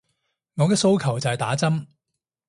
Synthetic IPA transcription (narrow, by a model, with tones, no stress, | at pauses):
ŋɔː˨˧kɛː˧so˥˧wkʰɐ˨˩wt͡sɐ˨hɛ˨jt̪aː˨˥t͡sɐ˥m